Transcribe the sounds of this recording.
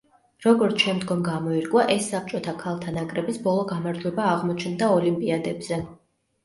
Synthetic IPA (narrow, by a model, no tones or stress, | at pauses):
ɾɔɡɔɾt̪ʰʃɛmd̪ɡɔmɡamɔiɾkʼwaʔɛsːap̚t͡ʃʼɔt̪ʰakʰalˠt̪ʰanakʼɾɛbisbɔlˠɔɡamaɾd͡ʒwɛbaːʁmɔt͡ʃʰnd̪aɔlimpʼiad̪ɛbz̥ɛ